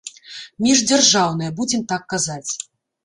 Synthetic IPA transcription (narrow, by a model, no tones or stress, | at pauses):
mʲiʐd͡zʲarʐawnɐjɐbud͡zʲɛmt̪akːazat͡sʲ